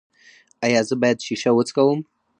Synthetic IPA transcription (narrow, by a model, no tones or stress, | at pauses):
ajazɨbajadʃiʃawʊt͡sʼkʼawum